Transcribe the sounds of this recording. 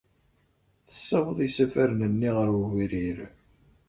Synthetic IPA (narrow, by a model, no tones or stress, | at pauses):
θə̥sːæwəðˤisæfæɾnənːiʁəɾɣiɾiɾ